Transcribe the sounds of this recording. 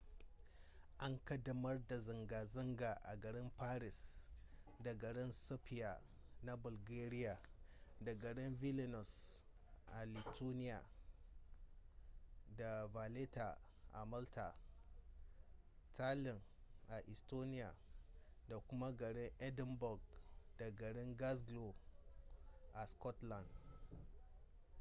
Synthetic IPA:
ʔa˦ŋkɐ˦dɐ˦mɐ˦rda˨zɪ˨ŋɡaː˨zɪ˦ŋɡa˨ʔa̰˨ɡɐ˨ɽɪ˦mpaː˦ɾɪ˨s | da˨ɡɐ˨ɽɪ˦nsɔ˦pɪ˦ja˨ | na˦bʊ˨lɡeː˦ɾɪ˦ja˨da˨ɡɐ˨ɽɪ˦nvi˦lɪ˨nɔ˨s | ʔa˨li˨tʰoː˦nɪ˦ja˨ | da˨va˨le˦ta˨ | ʔa̰˨ma˦lta̰˨ | tʰa˦lɪ˨ŋʔa˨ʔɪ˨sto˦nɪ˦ja˨da˨kʷʊ˦ma˦ɡɐ˨ɽɪ˦ŋʔɛ˦dɪ˦mbɔ˨ɡd̥a˨ɡɐ˨ɽɪ˦ŋɡa˦s̬ɡlo˨ | ʔa˨skɔ˦tla˨nd

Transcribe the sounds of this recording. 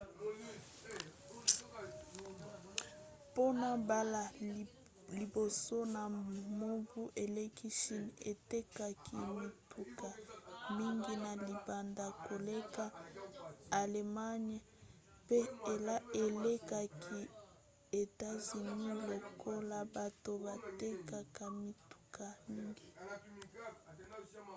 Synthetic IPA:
po˦na˨ba˦la˨ | li˨bo˨so˦na˨mo˦vu˦ʔe˨le˦ki˦ʃi˦ne˨te˦ka˨kʰi˨mi˨tʰu˨ka˨mi˦ŋɡi˦na˨li˨ba˨nda˨ko˨le˦ka˦ | a˨le˨ma˦ɲ˨ | pe˦e˨la˦e˨le˦ka˨kʰi˦ | e˨ta˦zi˨ni˦lo˨ko˦la˨ba˨to˨ba˨te˦ka˨ka˨mi˨tu̥˨kʰa˨mi˦ŋɡi˨

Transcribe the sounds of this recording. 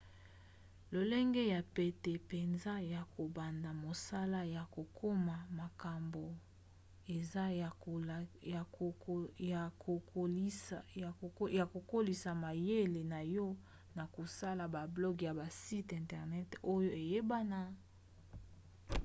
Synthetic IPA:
lo˨le˦ŋɡe˦ja˨pe˨te˨pe˨nza˦ja˨ko˨ba˨nda˨mo˨sa˦la˦ja˨ko˨kʰo˦ma˨ma˨ka˨mbo˨ | e˨za˦˨ | k | ja˨ko˨ko˦li˨sa˨ma˨je˦le˨na˨jɔ˦ | na˨ko˨sa˦la˨ba˨blɔ˦ɡja˨ba˨si˦tɛ̃˨ntɛ˨ʁnɛ˦to˦jo˦e˨je˦ba˦na˦

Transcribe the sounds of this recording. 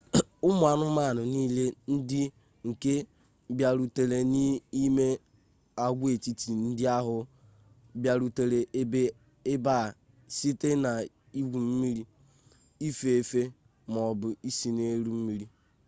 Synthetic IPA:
ʊ˦mʷ˦a˨nʊ˦ma˦˨nʊ˨niː˦le˦n̩˦dɪ˦ | ŋ̩˨ke˦ | bja˨ɾu˨te˨le˨ni˦i˦me˦ | a˦ɡʷe˨ti˦ti˨n̩˦dɪ˦a˦ɦʊ˨ | bja˨ɾu˨te˨ɾe˨˦e˦ | ɪ˦ba˦˨ | si˦te˦na˨ | i˦ɡʷu˨m̩˦mi˦ɾi˦ | i˦fe˨e˨fe˦ | m˨ɔ˨bʊ˨i˦si˨ne˦ɾu˦m̩˦mi˦ɾi˦

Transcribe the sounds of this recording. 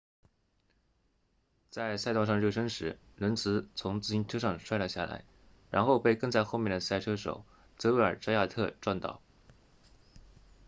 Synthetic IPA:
t͡sa˥˧ɪsa˥˧t̪ɑ˥˧ʂ̬ɑ˥˧ŋɻo˥˩ʊʂ̬ə˥ŋʂɻ̩˧˥ | nwə˧˥nt͡sʰɹ̩˧˥t͡sʰʊ˧˥ŋt͡sɹ̩˥˩t͡ɕi˥nʈ͡ʂʰɤ˥ʂ̬ɑ˥˧ŋʂwa˥˩ɪlə˧˩ɕja̰˥˩la̰˧˥ɪ | ɻa̰˧˥nxo˥˧ʊpe˥˧ɪkɤ˥˧ŋt͡sa˥˧ɪxo˥˧ʊmjɛ˥˩nd̪ə˩sa˥˩ɪʈ͡ʂʰɤ˥ʂo̰˨˩˦ʊ | t͡sɤ˧˥we˥˩ə̰˞˨˩ʈ͡ʂɑ˥ja˥˧t̪ʰɤ˥˧ʈ͡ʂwa˥˧nt̪ɑ̰˥˩ʊ

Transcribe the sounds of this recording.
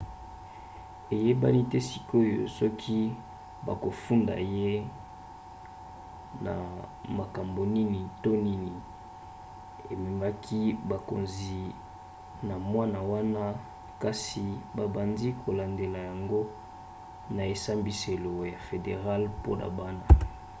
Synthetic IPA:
e˨je˦ba̰˦ni˦tɛ˦si˨ko˦jo̰˨sɔ˦kʰi˦ | ba̰˨ko˨fu˦nda̰˨je˦ | na̰˨ma˨ka˨mbo˨ni˦ni˨to˦ni˦ni˨ | e˨me˨ma˦kʰi˦ba˨ko̰˨nzi˨ | na˨mwa˦na˨wa˦na˦ | ka˦si˨ba˨ba˨ndi˦kʰo˨la˨nde˨la˨ja˨ŋɡo˦ | na˨e˨sa˦mbi˨se˨lo˨ja˨fe˨de˨ʁa˦lpo˦nʔa̰˨ba˦na˨

